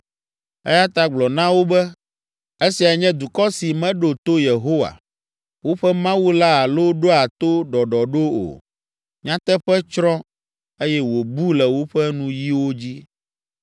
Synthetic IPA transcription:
ɛ̰˦ja˦t̪a˦ɡ͡blɔ˨nã˦wo˦bɛ˦ | e˦si˨a˨ɲɛ̃˦d̪u˨kɔ˦si˨mɛ̃˦ɖo˨t̪o˦je˨ɦo˦wa̰˨ | wo˦ɸɛ˦mã˦wu˦la˦a˨lo˦ɖo˦a˨t̪o˦ɖɔ˨ɖɔ˨ɖo˦o̰˨ | ɲã˦t̪ɛ˦ɸɛ˦t͡ʃɾɔ̃˦ | e˦jɛ˦wo˨bu˦lɛ˨wo˦ɸɛ˦nũ˦ji˦wo˦d͡ʑi˦

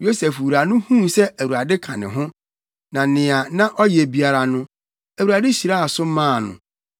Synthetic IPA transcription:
jo˦sɛ˨fwu˨ɾa˨nʊ̃˦hũ˦msɛ˦ʔæ˨wu˨ɾa˨dɪ˦kʰã̰˨nɪ̃˨ɦʊ̃˦ | nã˨nɪ̃˨a˨nã˦ʔɔ˦je˨bi˨a˨ɾa˨nʊ̃˦ | æ˨wu˨ɾa˨dɪ˦ɕi˨ɾa˦a˨sʊ˦m˦mã˦˨nʊ̰̃˨

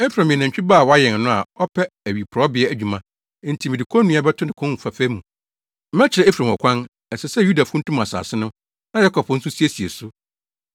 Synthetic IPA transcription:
ɛ˦fɾã˨mĩ˨ã˨ɲ˨t͡ɕᶣi˦baː˦˨wɔ˦a˦jɛ̃˨n˨nʊ̃˦a̰˨ɔ˦pʰɛ˦æ˨ɥi˨pʰɾɔ˦bɪ˨ɛ˦æ˨d͡ʑᶣu˨mã˨˦ | n̩˦tʰi˨mĩ˨di˨kʰɔ˦nũ˦a˦bɛ˦tʰʊ̃˦nɪ̃˨kʰʊ̃˦n˨fa˨fæ˦mːũ˨ | m̩˦mɛ̃˦t͡ɕʰɪ˨ɾɛ˨e˦fɾã˨m˨ɔ˨kʷʰã˦n | ɛ˨sɛ˨sɛ˦ju˦da˨fũ˦n̩˦tʰũ˦m˨ã˨sa̰ː˨sɪ˦nʊ̃˦ | nã˦ja˦kʰɔ˨pʰn̩˦sʊ˦si˦e˦si˨e˨su˦

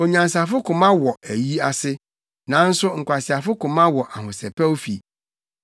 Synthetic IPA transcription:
o˨ɲã˨ns̬a˨fʊ˦kʰʊ̃˨mã˦wɔ˨æ˨ji˦a˨sɪ˦ | nã˨˦n̩˦sʊ˦ŋ̩˨kʷʰa˨sɪ˨a˨fʊ˦kʊ̃˨mã˦wɔ˨ʔa˨ɦʊ̃˨sɛ˨pʰɛ˦wo˦fḭ˨

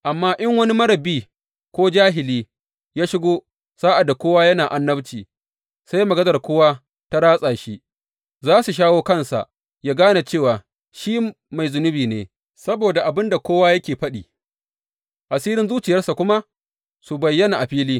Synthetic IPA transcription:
ʔa˨mːaː˦ʔɪ˦ŋwɐ˦ni˦mɐ˦ɽɐ˨biː˦ | kʷoː˦d͡ʒaː˦ɦɪ˨liː˦ | jaː˦ʃɪ˦ɡoː˦ | saː˦ʔa˨dːa˨kʷoː˦waː˦jɐ˦naː˨ʔa˨nːɐ˦bt͡ʃiː˨ | sa˦jmɐ˨ɡɐ˦zɐ˨rkʷoː˦waː˦ | ta˦ɽaː˦sʼaː˨ʃi˦ | zaː˦su˨ʃ̬aː˦woː˦kɐ˦nsa̰˨ʔ | jaː˦ɡaː˦na˨t͡ʃeː˦˨waː˨ | ʃiː˦ | ma˨jzʊ˨nʊ˦biː˨neː˨ | sɐ˦boː˨da˨ʔa˨bɪ˦nda˨kʷoː˦waː˦jɐ˦kʲeː˨ɸɐ˦ɗiː˨ | ʔa˨siː˦ɾɪ˦nzuː˦t͡ʃɪ˨jɐ˦rsa˨kʷʊ˦ma˦ | su˨bɐ˨jːɐ˦na˨ʔa˨ɸiː˦liː˦

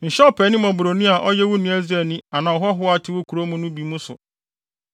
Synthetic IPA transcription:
n̩˨ɕɔ˦pʰɛ˨˦nɪ̃˦mɔ̃˨bʊ˨ɾo˨nĩ˦a˨ʔɔ˦jɛ˦wʊ˦nĩ˦æ˦zɾɛ˨nĩ˦a˨nã˨ɔ˨ɦɔ˦ɦʊ˦a˨tʰɪ˦wo˦kʰu˨ɾo˦mũ˦nʊ̃˦bi˨˦mũ˦sʊ̰˨

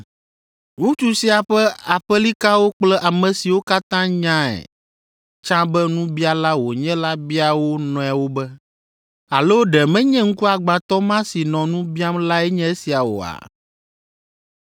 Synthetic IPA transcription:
ŋũ˦t͡ʃu˦si˦a˨ɸɛ˦a˨ɸɛ˦li˦ka˦wo˦k͡plɛ˦ʔa˨mɛ̃˨si˨wo˦ka˦t̪ã˦ɲã˦ɛ̰˨ | t͡ʃã˦bɛ˦nũ˦bi˦a˦la˦wo˨ɲɛ̃˦la˦bi˦a˨wo˦nɔ̃˨a˨wo˦bɛ˦ | a˨lo˦ɖɛ˨mɛ̃˦ɲɛ̃˦ŋ̩˦ku˦a˨ɡ͡bã˨t̪ɔ˦mã˦si˨nɔ̃˨nũ˦bi˦a˦mla˦ɛ˦ɲɛ̃˦e˦si˨a˨wo̰˨a̰˨

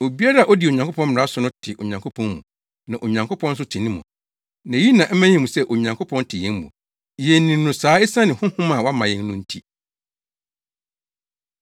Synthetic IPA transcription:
o˨bi˦a˦ɾa˦a˨ʔɔ˦dɪ˨o˨ɲã˨ŋkʰo˦pʰɔ̃˦m˦m̩˨ɾa˦sʊ˨nʊ̃˦tʰɪ˨ʔo̰˨ɲã˨ŋkʰo˦pʰɔ̃˦nmṵ̃˨ | nã˨ʔo˨ɲã˨ŋkʰʷo˦pʰɔ̃˦n̩˦s̬ʊ˦tʰɪ˨nĩ˦mṵ̃˨ | nã˨ji˦nã˨ʔm̩˦mæ̃˦ɲĩ˨mũ˨sɛ˦ʔo˨ɲã˨ŋkʰo˦pʰɔ̃˦ntʰɪ˨jɛ̃˦n˦mṵ̃˨ | jɛ˨n˦nĩ˨˦nʊ̃˨saː˨˦e˦sã˦nɪ̃˨hʊ̃˦hʊ̃˦mã˨wa˦mã˨jɛ̃˦n˦nʊ̃˦n̩˦tʰi˦

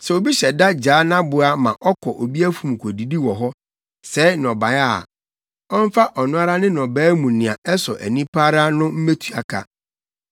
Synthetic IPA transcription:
sɛ˨o˨bi˦ɕɛ˨da˦d͡ʑaː˨˦nã˦bʊ˨a˦mã̰˨ʔɔ˦kʰɔ˨ʔo˨bi˦æ˦fũ˨m˨kʷʰo˨di˨di˦wɔ˨ɦɔ˦ | sɛ˦nɔ̃˨ba˨˦a˦˨ | ɔ˦m˦fa˦ʔɔ˨nʊ̃˦a˦ɾa˦nɪ̃˦nɔ̃˨bæː˦mũ˨nɪ̃˨a˨ɛ˦sɔ̰˨ʔæ̰˨nĩ˦pʰa˦ɾa˦nʊ̃˦m̩˦me˦tʰu˨a̰˨kʰa̰˨

